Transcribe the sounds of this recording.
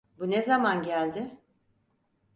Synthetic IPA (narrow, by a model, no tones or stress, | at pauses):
bunezamanɟælʲd̪ɪ